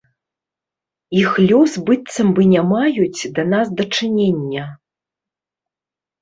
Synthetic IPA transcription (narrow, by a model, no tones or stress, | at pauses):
ixlʲɔsbɨt̪sɐmbɨnʲamajut͡sʲd̪ɐnasd̪ɐt͡ʂɨnʲenʲːɐ